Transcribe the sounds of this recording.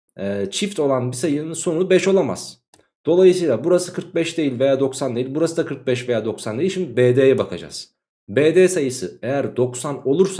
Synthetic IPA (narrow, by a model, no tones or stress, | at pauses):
ɛːt͡ʃʰift̪o̞lˠanbisajɯnɯnso̞nubɛʃo̞lˠama̰z̥ | d̪̥o̞lˠajɯsɯjlˠabuɾasɯkʰɯɾk̚bɛʃd̪e̞jilʲve̞jaːd̪o̞ksand̪e̞jilʲbuɾasɯd̪akʰɯɾk̚bɛʃve̞jaːd̪o̞ksand̪eilʲʃimd̪ibed̪eːjɛbakʰa̰d͡ʒa̰z̥ | beːd̪eːsajɯsɯejæɾd̪o̞ksano̞lˠuɾsa